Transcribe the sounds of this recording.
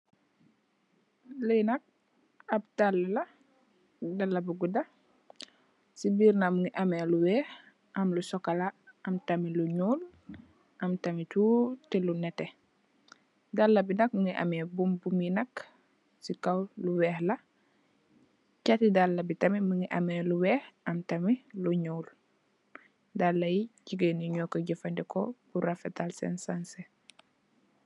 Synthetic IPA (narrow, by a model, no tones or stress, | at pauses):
ləjnɐk̚ | ɐb̚talːulɐ | dɐlːɐbuɡudɐ | sibiːɾnamuŋiʔɐmɛluwɛːh | ʔɐmlusɔkɐlaʔɐmtɐmiluɲuːl | ʔɐmtɐmituːtɛlunɛtɛ | dalːɐbinɐk̚muŋiʔɐ̰mebumbuminɐk | sikawluwɛːhlɐ | catidalːɐbitɐmimuŋiʔɐ̰meluwɛːhɐmtɐmiluɲuːl | dalːɐjiɟiɡeniɲokoɟifɐndɛko̰b̥uɾafɛtalsɛ̰nsanse